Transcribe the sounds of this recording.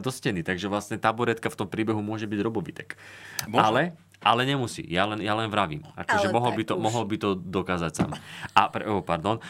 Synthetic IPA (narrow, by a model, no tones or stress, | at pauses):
d̪ɔscɛniːt̪aɡʒɛʋlasɲɛt̪abɔɾɛt̪kaft̪ɔmpɾiːbɛɦumʊɔʒɛbiɟɾɔbɔbit̪ɛkalɛ | ʔalɛɲɛmusḭjalɛnjalɛnʋɾaʋḭːma̰kɔʒɛmɔɦɔlbit̪ɔmɔɦɔlbit̪ɔd̪ɔkaːzacsa̰mapɾɛ̰ɛɦɔpaɾd̪ɔn